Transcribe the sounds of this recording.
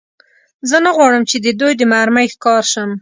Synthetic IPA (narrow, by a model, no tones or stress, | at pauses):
zənaɣwɑɽəmt͡ʃed̪əd̪ujd̪əmaɾmajxkɑɾʃəm